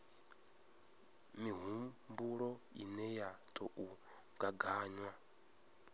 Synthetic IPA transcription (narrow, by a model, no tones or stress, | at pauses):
miɦubuɺɔinɛjatʼɔʔu | ŋɡaɡaːɲwa